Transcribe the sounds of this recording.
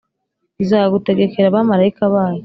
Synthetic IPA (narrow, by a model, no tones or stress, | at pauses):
izaɡute̞ɡe̞ke̞ɾaβamaɾaikaβaːjo